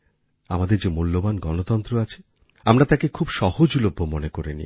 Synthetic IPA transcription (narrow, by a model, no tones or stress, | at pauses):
amad̪eɾd͡ʑemulːobanɡɔnot̪ɔnt̪ɾoat͡ɕʰe̥ | amɾat̪akekʰubʃɔhod͡ʑulobʱːomonekoɾenḭ